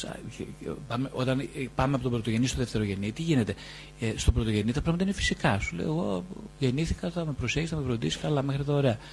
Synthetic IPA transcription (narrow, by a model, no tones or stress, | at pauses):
ɐ̰pɐmeʔo̞t̪ɐnpɐmeɐpot̪o̞bɾo̞t̪oʝenist̪oðeft̪e̞ɾo̞ʝe̞nit̪iʝine̞t̪e̞ | st̪obɾo̞t̪oʝe̞nit̪ɐpɾɐɣmɐt̪ɐinefi̥sikɐsulḛjo̰eɣo̞ʝe̞niθikɐt̪θɐme̞pɾo̞seçisiθɐmepɾond̪isi̥kɐlɐme̞xɾit̪ɐoɾe̞ɐ